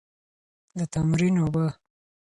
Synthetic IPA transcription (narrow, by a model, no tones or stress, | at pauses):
d̪ət̪amɾinoba